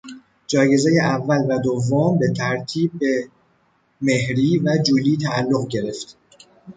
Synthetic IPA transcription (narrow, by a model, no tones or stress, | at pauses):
d͡ʒɒːje̞zejeʔævːælvæd̪ovːombe̞t̪ʰæɾt̪ʰiːb̚ːe | me̞hɾiːvæd͡ʒuːliːt̪ʰæːlːoɣɟe̞ɾe̞ft̪